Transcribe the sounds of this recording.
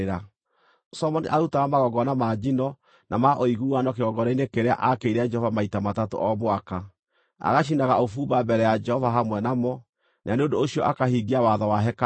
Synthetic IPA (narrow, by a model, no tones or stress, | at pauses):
ɾa | sɔmɔniʔautaɣamaɣɔɡɔnamad͡ʒinɔ | nʔamaʔoiɣuanɔkeɣɔɡɔɾainekeɾea̰ʔakeiɾead͡ʒɛhɔvamaitamatato̰ʔɔβwaka | a̰ɣaʃ̬inaɣaofuːbabɛɾɛjad͡ʒɛhɔvaɦamwɛnamɔ | naaneondoːɕiɔʔakahiɡiawaðawaɦɛka